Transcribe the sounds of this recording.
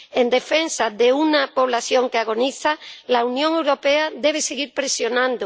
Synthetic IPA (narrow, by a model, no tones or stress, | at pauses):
end̪e̞fensaðeunapo̞β̞laθjõ̞ŋkeaɣ̞o̞niθalaunjõ̞ŋe̞wɾo̞peaðeβ̞eseɣiɾpɾesjo̞nãnd̪o